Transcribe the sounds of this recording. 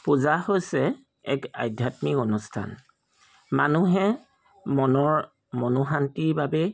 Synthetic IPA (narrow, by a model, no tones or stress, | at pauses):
puzahojsɛ | ɛ̰ka̰jdʱjatmikɔnustʰa̰n | manuɦɛ | mɔnɔɹ | mɔnuɦantiɹbabɛ